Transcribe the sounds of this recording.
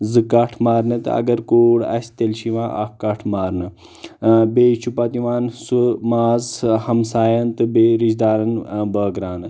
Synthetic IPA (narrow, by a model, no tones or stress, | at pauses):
zɨkɐʈʰmaːɾnɨt̪ɨ̰ɐ̰ɡɐɾkoːɽɐ̰sʲt̪elʃiʋãːʔɐ̰kɐʈʰmaːɾnɨ | beːt͡ʃʰupɐt̪iʋaːnsumaːzhɐmsaːjɐnt̪ɨbeɾiʃd̪aːɾɐnbəːɡɾaːnɨ